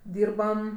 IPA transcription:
ˈdʲiːrbɐm

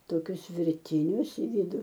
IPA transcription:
toːˈkʲʊs ʋʲɪrʲˈtʲɪnʲʊs ɪ ˈʋʲɪdʊ

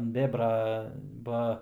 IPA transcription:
ɐnt ˈbʲeːbrɐ ˈbɐ

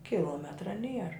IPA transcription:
kʲɪˈlˠoːmʲɛtrɐ ˈnʲiɛr

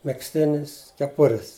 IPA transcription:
mʲɛksʲˈtʲɪnʲɪs kʲɛˈpʊrʲɪs

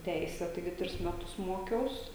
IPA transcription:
ˈtʲɛɪsʲɛ tɐɪˈɡʲɪ ˈtʲrʲɪs ˈmʲæːtʊs ˈmoːkʲɛʊs

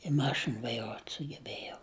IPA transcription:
ɪ ˈmɑːʃʲɪn ʋɐɪˈruɔtʲ sʊɡʲɛˈbʲæːjɛʊ

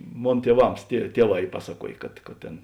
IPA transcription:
ˈmoːn tʲiɛˈʋɐms tʲiɛ ˈtʲiɛˌʋɑː ˈiː ˈpɑːsɐˌkuɔjeː kɐt kɐt ˈtʲeːn

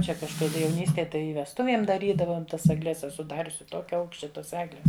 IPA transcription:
ˈt͡ʃʲɛ kɐʃkɐˈdɐ jɛʊˈnʲiːsʲtʲeːj ˈtɐɪ ɪ ʋʲɛsˈtʊʋʲiɛm dɐˈrʲiːdɐʋoːm ˈtɐs ɐɡˈlʲɛs ɛˈsʊ ˈdɑːrʲʊsʲɪ ˈtoːkʲɛ ˈɐʊkʃʲt͡ʃʲɛ ˈtoːs ˈæːɡlʲɛs

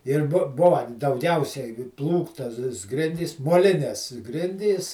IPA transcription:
ɪr ˈbʊ ˈbʊʋɐ dɐʊˈɡʲɛʊsʲɛɪ ˈplˠuːktɐs ˈɡrʲɪnʲdʲiːs moːˈlʲɪnʲɛs ˈɡrʲɪnʲdʲiːs

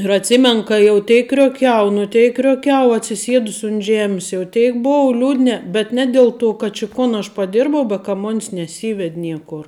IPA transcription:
ɪr ɐtʲˈsʲɪmʲɛnʊ ˈkɐ jɛʊ ˈtʲɛɪk krʲoːˈkʲɛʊ nʊ ˈtʲɛɪk krʲoːˈkʲɛʊ ɐtʲsʲɪˈsʲiɛdʊs ʊnt ˈʒʲæːmʲɪs jɛʊ ˈtʲɛɪk ˈboːʊ ˈlʲuːdʲnʲɛ bʲɛt ˈnʲɛ dʲɛlˠ ˌtoː kɐt t͡ʃʲɪ ˈkoːn ɐʃ pɐˈdʲɪrbɐʊ bɐ kɐ ˈmoːnʲs nʲɛˈsʲiːʋʲɛtʲ ˈnʲiɛkoːr

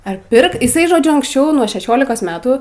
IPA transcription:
ɐr ˈpʲɪrk ɪˈsɐɪ ʒoːˈd͡ʒʲʊ ɐŋksʲˈt͡ʃʲɛʊ nuɔ ʃʲɛˈʃʲoːlʲɪkoːs ˈmʲæːtuː

